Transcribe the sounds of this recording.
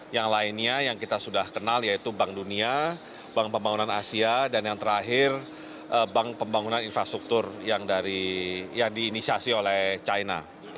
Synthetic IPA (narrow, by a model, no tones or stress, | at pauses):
jaŋlaɪnɲajaŋkit̪asudahkənaljait̪ubaŋdunia | baŋpəmbaŋunanasiadanjaŋt̪əɾaɦɪr | ʔəbaŋpəmbaŋunaninfɾast̪ɾuk̚t̪ʊrjaŋdaɾijaŋdiːnisiasiolɛht͡ʃajna̰